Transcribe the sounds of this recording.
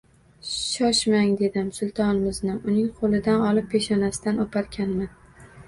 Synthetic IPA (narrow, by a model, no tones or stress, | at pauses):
ʃɒʃmaŋd̪e̞d̪ɪmsʊlˠt̪ʰɒnɪmɪznɪʔʊnɪŋqʰolˠɪd̪anɒlˠɪpʰːeʃɒnasɪd̪anopʰaɾkʲʰanmɪn